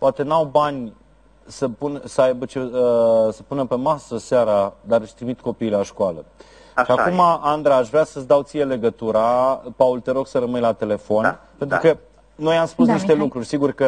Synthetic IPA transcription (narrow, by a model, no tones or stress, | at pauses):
poat̪e̞nawbanʲ | səpunsəajbət͡ʃeəsəpunəpe̞masəseaɾad̪aɾəʃʲt̪ɾimit̪ko̞piːlaʃkoalə | ʃiakumaʔand̪ɾaːʃvɾʲeasəsd̪awt̪sije̞le̞ɡət̪uɾapault̪eɾoksəɾəmɨjlat̪e̞le̞fo̞npent̪ɾukə | no̞jamspusniʃt̪e̞lukɾurʲsiɡurkə